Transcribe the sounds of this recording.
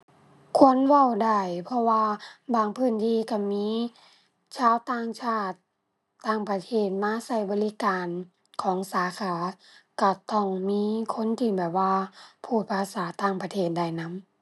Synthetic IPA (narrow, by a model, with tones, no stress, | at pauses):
kʰu˧˥˨ə˨nwa˧˩˨wda˧˩jpʰɔ˧waː˧baː˨˩ŋpʰɯː˧˩˨nt̪ʰiː˧˨ka˧˩miː˧˥˨ | t͡ɕʰaː˧˥˨wt̪aː˧˨ŋt͡ɕʰaː˧˩t̪̚ː | aː˧˩ŋpa˧t̪ʰeː˧˩t̪̚maː˧˥˨sa˧˩jbɔː˨˦li˦˧˦kaː˨n | kʰɔː˨˦ŋsaː˨˦kʰaː˨˦ka˧˩t̪ɔ˧˩ŋmiː˧˥˨kʰo˧˥˨nt̪ʰiː˧˩bɛː˨˩p̚waː˧pʰuː˧˩t̪̚pʰaː˧˥saː˨˦t̪aː˧˩˨ŋpa˧t̪ʰeː˧˩t̪̚da˧˩jna˧˥m